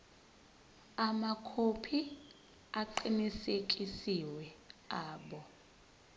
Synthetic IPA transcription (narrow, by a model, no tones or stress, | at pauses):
amakʰopʰi | aǃinisekʼisiwɛaːɓɔ